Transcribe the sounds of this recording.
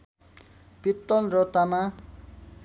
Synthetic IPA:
pit̪ːʌlrʌt̪ama

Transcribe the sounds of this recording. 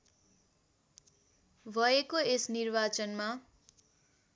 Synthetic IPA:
bʱʌekoesnirbat͡sʌnma

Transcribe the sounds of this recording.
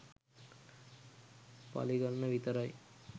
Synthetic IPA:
pɐ̰liɡɐlnɐʋit̪ɐɾaj

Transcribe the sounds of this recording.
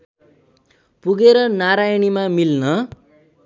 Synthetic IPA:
puɡeɾʌnaɾajnimamilnʌ

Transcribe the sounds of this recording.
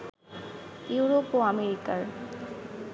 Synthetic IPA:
iuɾopoameɾikaɾ

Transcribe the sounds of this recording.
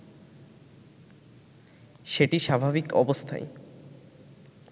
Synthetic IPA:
ʃeʈiʃabʱabikɔbost̪ʰa̰e

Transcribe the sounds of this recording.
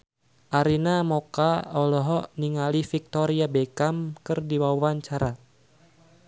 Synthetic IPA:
ʔaɾinamɔkaɔlɔɦɔniŋalifik̚t̪ɔɾiabɛkamkɨrdiwawaɲt͡ʃaɾa

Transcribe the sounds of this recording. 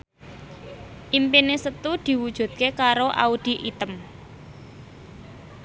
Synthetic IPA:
ʔimpinesət̪ud̪̥i̤wud̥ʒ̥ṳt̪̚kekaɾoʔa̰ud̪̥i̤ʔit̪əm

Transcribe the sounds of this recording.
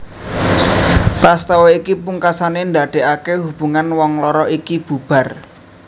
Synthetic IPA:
t̪ast̪awɔikipuŋkasanend̪a̤ɖ̪̥e̤ʔakeɦub̥ṳŋanwɔŋlɔɾɔʔikib̥ṳb̥a̤r

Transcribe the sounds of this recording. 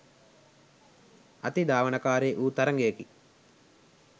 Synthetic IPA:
ɐt̪id̪aːʋɐnɐkaːɾeːʔuːt̪ɐɾɐŋɡeːki

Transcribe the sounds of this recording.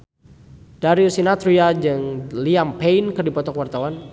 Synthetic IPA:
d̥aɾiusinat̪ɾiad͡ʒɨŋliampeinkɨrdipɔt̪ɔkwart̪awan

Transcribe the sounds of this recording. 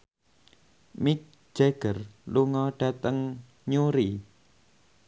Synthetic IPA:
mik̚d͡ʒ̥eɡ̥ərluŋɔɖ̥at̪əŋ | ɲuɾi

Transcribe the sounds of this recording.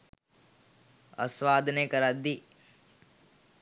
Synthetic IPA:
ɐ̰sʋaːd̪ʱnekɐɾad̪i

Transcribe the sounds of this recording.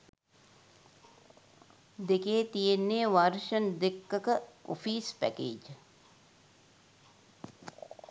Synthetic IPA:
d̪ekeːt̪ijenːeːʋɐɾʃənd̪ekːəkəo̰fiːspæ̰kḛːd͡ʒ

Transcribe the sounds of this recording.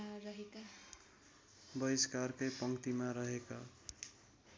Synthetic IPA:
ɾʌɦeka | bʌjskarkʌjpʌŋkt̪imaɾʌɦeka

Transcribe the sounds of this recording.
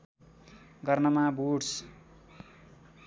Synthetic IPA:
ɡʌrnʌmabuɽs

